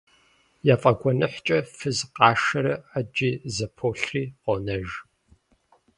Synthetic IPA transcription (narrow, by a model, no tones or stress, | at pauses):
jaːfʼɐɡʷɔnɨħʷt͡ʃʼɐfɨzqɑːʃɐɾɐad͡ʒiːzɐpʰoːɬriːqʷɔnɐʒ